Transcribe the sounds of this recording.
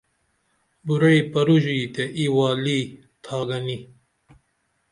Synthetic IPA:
buɾeipɐɾuʑit̪eʔiwaːliː | t̪ʰaːɡɐni

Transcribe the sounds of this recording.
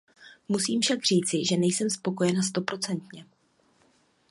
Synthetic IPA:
musiːmfʃaɡr̝iːt͡sɪʒɛnɛjsɛmspo̞ko̞jɛnast̪o̞pɾo̞t͡sɛnt̪ɲɛ

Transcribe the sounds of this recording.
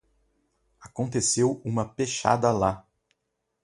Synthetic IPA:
akõnt̪esewũmɐpeʃa̰d̪ɐla

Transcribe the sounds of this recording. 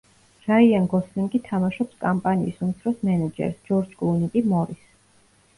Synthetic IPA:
ɾaianɡɔslimɡʼit̪ʰamaʃɔpskʼampʼanḭːsumit̪sʰɾɔsmɛnad͡ʒɛ̰ɾsd͡ʒɔɾd͡ʒkʼlˠunik̪ʼimɔɾis

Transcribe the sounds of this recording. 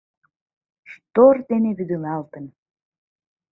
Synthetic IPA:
ʃt̪ord̪eneβyd̪əlɑlt̪ən

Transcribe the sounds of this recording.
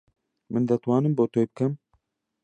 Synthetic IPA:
mɨnd̪ɛt̪wɑːnɨmboːt̪ʰoːjbɨkʰɛm

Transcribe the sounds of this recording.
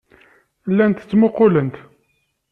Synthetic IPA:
lːænt̪ət͡sːmʊqːʊlənt̪

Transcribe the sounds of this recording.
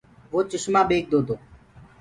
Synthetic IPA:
ʋoːt͡ʃəʃmaːbeːk̚d̪oːd̪oː

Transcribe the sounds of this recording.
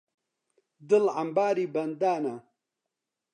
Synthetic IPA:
d̪ɨlʕambaːɾiːbɐnd̪aːna

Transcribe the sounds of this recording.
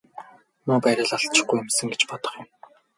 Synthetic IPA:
mʊːpæɾʲɪ̆ɮɔɬt͡ɕɪ̆χɡujʊ̆msə̆ŋɡet͡ɕpɔt̪ɞ̆χjʊ̆m

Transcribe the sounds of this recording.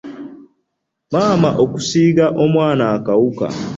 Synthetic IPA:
maːmaʔoku̥siːɡaʔo̞mwaːnaːkawuka̰

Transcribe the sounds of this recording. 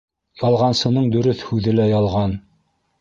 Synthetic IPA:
jɑlˠʁɑnsɤ̆nɤɴd̪ɵ̆ɾɵθhʉðɘlæjɑlˠʁɑn

